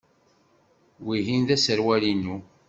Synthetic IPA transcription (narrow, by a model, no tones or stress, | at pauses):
wiɦinðæsəɾwælinu